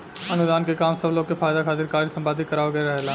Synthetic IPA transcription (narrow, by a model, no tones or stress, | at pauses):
ɐnʊd̪aːnkekaːmsəbloːɡ̚kefaːjd̪akʰaːt̪ɪɾkaːɾisə̃mbaːd̪ʱikəɾaːʋoɡɐeɾɐɦelaː